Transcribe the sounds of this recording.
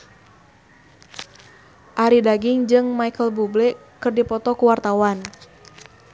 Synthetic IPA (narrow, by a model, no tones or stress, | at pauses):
ʔaɾidaɡiŋd͡ʒɨŋmajkəlbublɛkɨrdipɔt̪ɔkuwart̪awan